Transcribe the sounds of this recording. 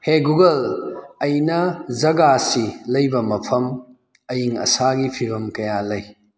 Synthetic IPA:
heɡuɡɐlɐjnɐzɐɡasilɐjbɐmɐpʰɐm | ɐjiŋɐ̰saɡipʰiɾɐmkɐjalɐj

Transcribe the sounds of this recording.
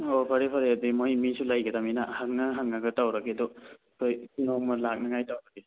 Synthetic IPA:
ɔpʰaɾepʰaɾeadimojmisulajɡɐdaminahaŋnaɦaŋːaɡɯtawɾaɡedɔ | kʰojsunɔmɔlak̚naŋajtawɾaɡe

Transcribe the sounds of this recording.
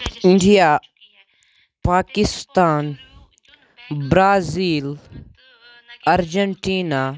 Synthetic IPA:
iɳɖija | paːkist̪aːn | bɾaːziːl | ɐɾd͡ʒɐɳʈiːna

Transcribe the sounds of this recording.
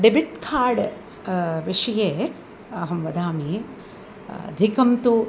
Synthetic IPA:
ɖebiʈkʰaːɾɖ | ʋiʂɐjeː | ɐɦɐmʋɐd̪aːmi | ɐ̰d̪ʱikɐmt̪u

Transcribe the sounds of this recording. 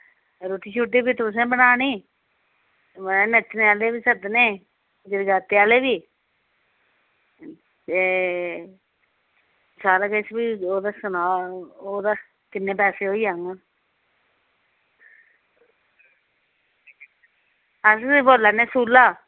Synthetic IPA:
ɾoːʈiːt͡ʃʰuʈːeːbiːt̪ʊs̬ẽːbənaːniː | məneːnet̪ːneaːleːbiːsəd̪nẽː | d͡ʒ̪ɪɾɡaːt̪ːeaːleːbiː | e | t͡ʃaːləɡət͡ʃbiːoːd̪aːsənaːoːd̪aː | kɪnːẽːpɛːseːɦoːiːaŋa | əsboːlːaːneːsuːlːaː

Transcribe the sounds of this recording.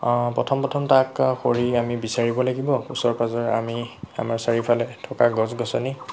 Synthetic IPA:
pɹɔtʰɔmpɹɔtʰɔmtakxoɹiamibisaɹibɔlaɡibɔusɔɹpazɔɹa̰mia̰maɹsaɹipʰalɛtʰɔkaɡɔzɡɔsɔni

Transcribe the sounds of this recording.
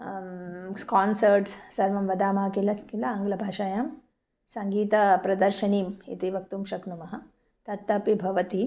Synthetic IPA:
kaːnsɐɾʈssɐɾʋɐmʋɐd̪aːmaɦɐkilɐkilɐaŋɡlɐbʱaːʃaːjɐm | sɐŋɡiːt̪ɐpɾɐd̪ɐɾʃɐniːmḭt̪iʋɐk̚t̪umʃɐknumɐɦɐ̆ | t̪ɐt̪ːɐpibʱɐʋɐt̪i

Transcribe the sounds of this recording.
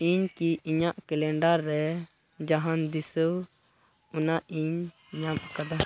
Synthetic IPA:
iɲkiʔiɲaʔkɛlɛɳɖaɾːɛ | d͡ʒaɦand̪isəw | unaʔiɲ | ɲamkad̪a

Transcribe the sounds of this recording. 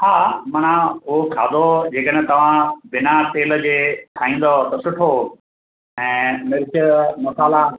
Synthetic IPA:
haːmɐnãʊɦokʰaːd̪od͡ʑeːkəɽɛ̃t̪ɐʋ̤ãbɪnat̪eːlə̆d͡ʑeːk̪ʰaːĩːn̆d̪ot̪ɐsʊʈʰo | ɛ̃ːmɪɾt͡ɕəmʊtaːla

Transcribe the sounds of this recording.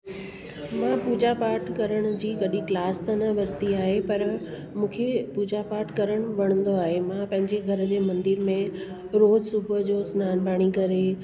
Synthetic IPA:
mãːpuːd͡ʑapaːɾʈʰkɐɾəɽ̃ʊ̆d͡ʑiːɡɐɗĩklaːst̪ɐnɐʋɐɾt̪iaːɦepɐɾ | mũːkʰepuːd͡ʑapaːɾʈʰkɐɾəɽ̃ʊ̆ʋɐɽ̃ə̃nd̪oaːɦemãpɐ̃ɦɪ̃ɲd͡ʑeɡʱɐɾə̆d͡ʑeːmɐ̃nd̪ɪɾmẽ | ɾoːd͡ʑsʊbʱʊd͡ʑoːsʊnaːnbʱaːɽ̃ikɐɾe

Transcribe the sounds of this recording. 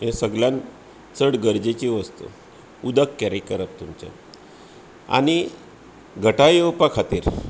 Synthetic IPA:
ɦẽsəɡljãn | t͡səɽɡəɾd͡ʑet͡ɕiʋəst̪ṵ | ud̪əkːɛɾekːəɾap̚t̪umt͡ɕḛ | a̰ñi | ɡʱəʈajowpakʰat̪iːɾ

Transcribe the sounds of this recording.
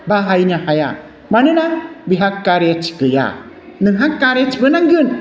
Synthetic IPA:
baɦajnahaja̰ | manɯnabiɦakːaɾjat͡ʃʰi̥kɯja̰ | nɯŋɦakːaɾjat͡ʃʰibɯnaŋɡɯn

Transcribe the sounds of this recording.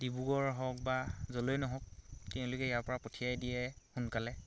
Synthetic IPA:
dibuɡɔɹɦɔk̚bazɔlojnɔɦɔk̚tɛʊ̃lʊkɛjaɹpɔɹapɔtʰijajdijɛhunkalɛ

